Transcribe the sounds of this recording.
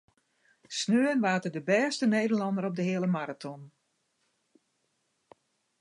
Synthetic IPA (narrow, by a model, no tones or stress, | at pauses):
snøːənʋaːtədəbɛːstənejdəlɑndəɾɔp̚dəhɪələmaɾatʰɔn